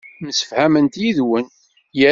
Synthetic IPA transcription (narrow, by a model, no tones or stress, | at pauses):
msə̥fhæmənt̪jiðwən | jə